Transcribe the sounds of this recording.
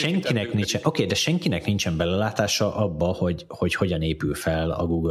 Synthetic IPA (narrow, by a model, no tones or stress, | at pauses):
ʃɛŋkinɛknint͡ʃɛʔo̞keːd̪ɛʃɛŋkinɛknint͡ʃɛmbɛlɛlaːt̪aːʃɒʔɒbːɒho̞ɟ | ho̞cho̞ɟɒneːpylfɛlɒ̰ɡuːɡ